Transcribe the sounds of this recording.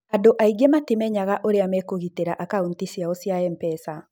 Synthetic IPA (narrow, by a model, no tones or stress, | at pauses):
adoʔaiɡematimɛɲaɣaʔoɾeamɛkoɣiteɾaʔakauntisiaosiaɛmpɛsa